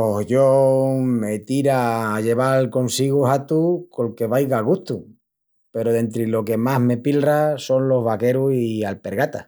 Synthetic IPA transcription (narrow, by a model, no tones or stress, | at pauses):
oʝome̞t̪iɾaːʝe̞βalko̞nsiɣuɦat̪uko̞ŋke̞βajɣaɣuht̪u | pe̞ɾoðe̞nt̪ɾilo̞ke̞maɦme̞pilraso̞nlo̞ɦβake̞ɾuhialpe̞ɾɣat̪a